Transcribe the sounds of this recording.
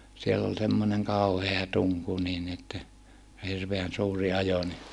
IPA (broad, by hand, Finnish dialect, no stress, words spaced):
sielː ol semːoneŋ kɑˑuheɑ tuŋku niːn ni etːæ jɑ hirʋeæn suːrˑi ɑjo ni